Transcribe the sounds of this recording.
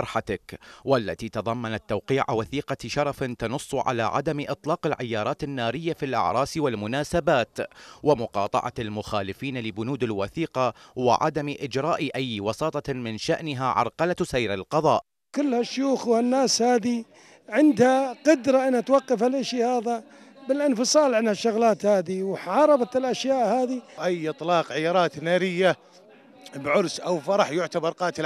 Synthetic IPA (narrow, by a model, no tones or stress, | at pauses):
ɾˤħat̪akwalːa̰t̪it̪ɑðˤɑmːanat̪ːawqiːʕa̰waθiːqɑʃɑɾˤɑfnt̪ɑnʊsˤːʕa̰laʕa̰d̪amʔɨt̪ˤlɑːqɪlʕɪjːɑːɾˤɑːt̪ɪnːaːɾɪjːafilʔɑ̰ʕɾˤɑːswalmʊnaːsabaːt̪wɪmʊqɑːt̪ˤɑ̰ʕɑ̰almʊxaːlɪfiːnalɪbʊnuːd̪ɪlwaθiːqɑwɪ̰ʕa̰d̪amʔɪd͡ʒɾˤɑːʔʔajːwɑsɑːt̪ˤɑmɪnʃaʔnɪɦaʕɑ̰ɾˤqɑlasajɾɪ̰lqɑðˤɑ̰ːʔ | kʊlːhaʃːjuːxwhanːaːshaːði | ʕɪnd̪haqʊd̪ɾˤaʔɪnːat̪wɑqːɑfalʔɪʃihaːða | bɪlʔɪnfɨsˤɑːlʕanhaʃːʊɣlaːt̪haːðiwħʕɑːɾˤɑbɑt̪ɪlʔaʃjaːʔhaːðiʔajːʔɨt̪ˤlɑːqʕɪjɑːɾˤɑːt̪naːɾɪjːa | bʕʊɾsʔawfɑɾˤɑħjʊʕt̪abɑɾˤqɑːt̪ɪl